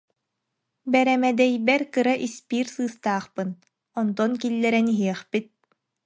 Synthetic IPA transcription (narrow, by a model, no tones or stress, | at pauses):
bɛɾɛmɛd̪ɛjbɛɾkɯɾaʔispiːɾsɯːst̪aːχpɯn | ɔnt̪ɔnkilːɛɾɛniɦiɛχpit̪̚